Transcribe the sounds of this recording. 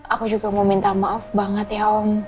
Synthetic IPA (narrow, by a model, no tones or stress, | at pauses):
ʔakud͡ʒuɡamomint̪amaɔfbaŋət̪jaɔm